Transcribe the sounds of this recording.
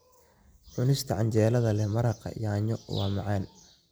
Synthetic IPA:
ħʊnɪst̪ʰɐʕɑɲt͡ʃɛːlɐðɐlɛhmɐɾɑqɑ̰jaːɲɔwɑ̰ːmɑʕɛːn

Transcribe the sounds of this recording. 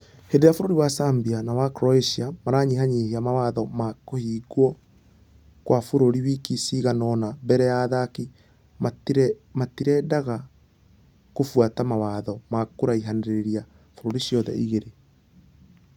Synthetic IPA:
hendeɾjafoɾoɾiwasambianawakɾɔeʃiamaɾaɲiɦaɲiheamawaðɔmakohiːɡwɔ | kwʔafoɾoɾiwikisiɣanɔnabɛɾɛjaðaki | mamatiɾɛdaɣa | kofwatamawaːðɔmakoɾaiɦaneɾeɾia | foɾoɾiʃjɔðɛ̰ʔiɣeɾe

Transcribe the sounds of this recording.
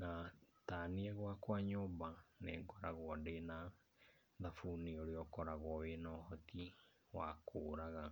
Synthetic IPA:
nataniɛɣwakwaɲɔbanɛ̰ːŋɡɔɾaɣwɔdena | ðafuneoɾeɔkɔɾaɣwɔwenɔhɔti | wakʰoːɾaɣa

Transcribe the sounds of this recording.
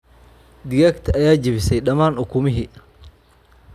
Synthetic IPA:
d̪ɪɣakt̪ʰɐɐjaːd͡ʒɪβɪsɛjɗɐmaːnʊkʰʊmɪɦɪ

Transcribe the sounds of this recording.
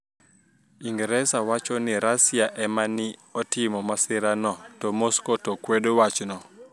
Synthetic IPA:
iŋɡɾɛsawat͡ʃɔniɾasiaʔɛmaniɔtimɔmasɪɾanɔtɔmoskɔtɔkweɗowat͡ʃnɔ

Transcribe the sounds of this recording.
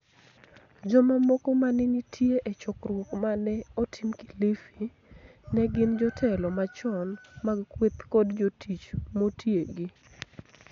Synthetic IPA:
d͡ʒɔmamokomanɪɲitʰjeʔet͡ʃɔkɾwɔkmanɛɔtʰimki̥lifi | nɛɡɪnd͡ʒɔtʰɛlɔmat͡ʃɔnmaɡkwepkɔdd͡ʒotʰit͡ʃmotjeɡɪ

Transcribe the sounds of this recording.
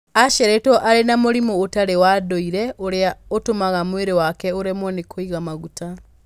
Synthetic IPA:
aʃɛɾɛtɔʔaɾenamoɾimoːtaɾewadoiɾɛʔoɾeaotomaɣamweɾewakɛoɾemɔnekʰoiɣamaɣuta

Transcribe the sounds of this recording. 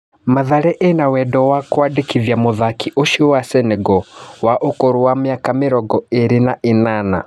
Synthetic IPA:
maðaɾɛʔenawɛdɔwakowadekiðjamoðakiʔoʃiwasɛnɛɡɔwaʔokoɾowameakameɾɔɡɔeɾenaʔenana̰

